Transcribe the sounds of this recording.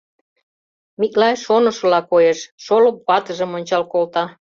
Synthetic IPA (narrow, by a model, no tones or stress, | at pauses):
miklɑjʃonə̆ʃɤ̆lɑkojeʃʃolok̚pɑt̪ə̆ʒə̆monʲt͡ɕɑlkolt̪ɑ